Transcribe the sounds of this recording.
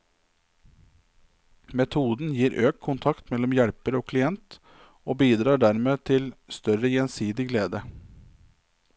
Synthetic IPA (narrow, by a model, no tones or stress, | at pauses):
mɛt̪ʰuːd̪n̩jiːɾʔøːk̚t̪kʰʊnt̪ʰɑkt̪mɛlɔmjæɽpəɾoːkʰlɪɛnt̪ | oːbiːd̪ɾɑːɖæɾmeːt̪ʰɪlst̪œɾəjɛnsiːd̪ɪɡleːd̪ə